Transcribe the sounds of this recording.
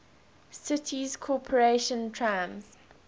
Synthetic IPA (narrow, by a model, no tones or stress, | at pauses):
sɪtʰiz̥kʰɔpʰəɹeʃə̃ntʰɹaɪ̃mz̥